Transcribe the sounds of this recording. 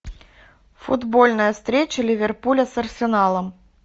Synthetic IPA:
fʊd̪bolʲnəjəst̪ɾʲet͡ɕəlʲɪvʲerpulʲɐsɐrsʲɪnalˠəm

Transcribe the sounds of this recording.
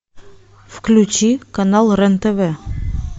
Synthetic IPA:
fklʲʉt͡ɕikanɑlˠrɛnt̪evɛ

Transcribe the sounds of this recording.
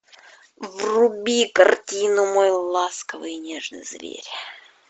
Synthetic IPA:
vrʊbʲikɐrtʲinʊmojlˠaskəvɨjnʲeʐnɨ̰jzvʲḛɾʲ

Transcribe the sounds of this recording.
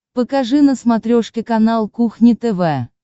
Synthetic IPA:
pəkaʐɨnəsmɐt̪ɾʲoʂkʲɪkɐnalˠkuxnʲɪt̪ɛvɛ

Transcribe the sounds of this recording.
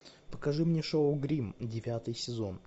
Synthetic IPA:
pəkɐʐɨmnʲeʂoʊɡɾʲimdʲɪvʲat̪ɨjsʲɪzon

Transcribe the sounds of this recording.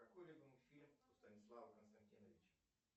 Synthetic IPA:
kɐkojlʲɪbɨmɨfʲilʲmʊst̪ənʲɪslˠavəkənst̪ɐnʲtʲinəvʲɪt͡ɕ

